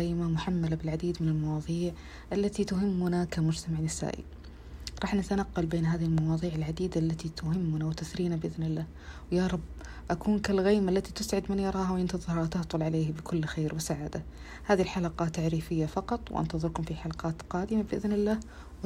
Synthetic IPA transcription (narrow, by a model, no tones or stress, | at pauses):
ajmamʊħamːalabɪlʕad̪iːd̪mɪnɪlmɑwɑːðˤiːʕ | ʔalːat̪it̪ʊɦɪmːʊnakamʊd͡ʒt̪amaʕnːɪsa̰ːʔḭ | ɾˤɑːħnɪt̪anaqːɑlbeːnɦaːðihilmɑwɑːðˤiːʕɪlʕad̪iːd̪aʔlːat̪it̪ʊɦɪmːʊnawt̪aθɾiːnabɪʔɪðnɪlːaːh | wjaɾˤɑbː | ʔakuːnkalɣaːmalːat̪it̪ʊsʕɪd̪mɪnjɑɾˤɑːɦawʔɪnt̪ɨðˤɾɑt̪ɑht̪ˤʊlʕaleːhbɪkʰʊlːxeːɾwɪsaʕaːd̪a | haːðilħalaqɑt̪ːaʕɾiːfɪjːafɑqɑt̪ˤwʔa̰nt̪ɑðˤɨɾkʊmfiħalɑqɑːt̪qɑːd̪ɪmabɪʔɪðnɪlːaːh | w